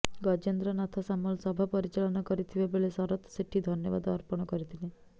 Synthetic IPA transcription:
ɡɔd͡ʒend̪ɾɔnat̪ʰɔsamɔlsɔbʱapɔɾit͡ʃalɔnɔkɔɾit̪ʰibebeɭesɔɾɔt̪seʈʰid̪ʱɔnjɔʋad̪ɔ̰ɾpɔɽ̃ɔkɔɾit̪ʰile

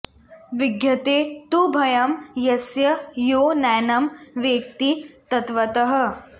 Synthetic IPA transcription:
ʋɪɡjɐt̪eːt̪ubʱɐjɐmjɐsjɐjoːnɛːnɐmʋjeːk̚t̪it̪ɐt̪ʋɐt̪ɐɦɐ̆

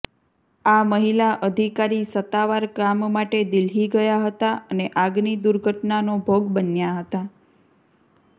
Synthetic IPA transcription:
aməɦilaʔəd̪ʱikaɾisət̪aʋaɾkammaʈed̪ilɦiɡəjaɦət̪aʔəneʔaɡnid̪uɾɡʱəʈnanobʱoɡbənjaɦət̪a

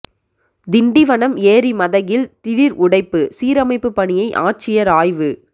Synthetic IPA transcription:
d̪ɪɳɖiʋɐɳɐmeːɾimɐðɐjɪlt̪ɪɻɪɾʔʊɽɐɪpːɯsiːɾɐmɐɪpːɯpːɐɳɪjɐɪʔa̰ːʈ̚t͡ʃɪjɐɾaːjʋɯ

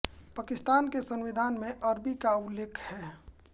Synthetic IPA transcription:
paːkɪst̪aːnkesə̃nʋɪd̪ʱaːnmẽʔɐɾbikaʊlːeːkʰhɛː

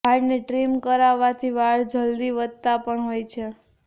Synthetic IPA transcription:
aɽneʈɾimkəɾaʋat̪ʰiʋaɭd͡ʒəld̪iʋəd̪t̪apəɳɦojt͡ʃʰe

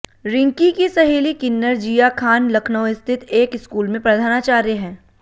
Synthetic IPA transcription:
ɾɪ̃ŋkikisɐɦeːlikɪnːəɾd͡ʒiːjakʰaːnlɐkʰnəʋɪst̪ʰɪt̪ʰeːkɪskuːlmẽpɾɐd̪ʱaːnat͡ʃaːɾjəɦɛ̃ː

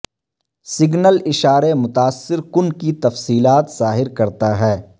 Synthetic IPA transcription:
sɪɡnəlɪʃaːɾemʊt̪aːsːɪɾkʊnkit̪ɐfsiːlaːt̪z̥aːɦɪɾkɐɾt̪aɦɛː

